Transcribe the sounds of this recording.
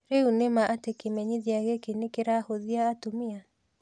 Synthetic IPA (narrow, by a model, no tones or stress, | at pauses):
ɾeunemaʔatekemɛɲiðiaɣekenekeɾahoðiaːtomia